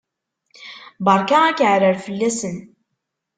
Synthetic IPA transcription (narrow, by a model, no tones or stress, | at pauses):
bɑɾˤkæækaʕɾəɾfəlːæsən